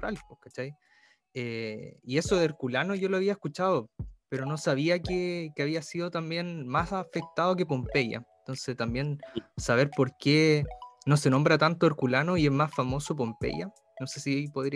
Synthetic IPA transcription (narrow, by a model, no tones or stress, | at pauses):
ɾalkokat͡ʃaj | eie̞soðeeɾkulanoʝo̞loaβiaeskut͡ʃaðopeɾo̞no̞saβiakekeaβiasiðot̪ambje̞nmasafek̚t̪aðo̞k̬e̞p̬o̞mpeja̰ent̪o̞nset̪ambje̞nsaβe̞ɾpo̞ɾkenose̞no̞mbɾat̪ant̪oeɾkulanoiezmasfamo̞so̞p̬o̞mpḛja | no̞se̞siejpoðɾ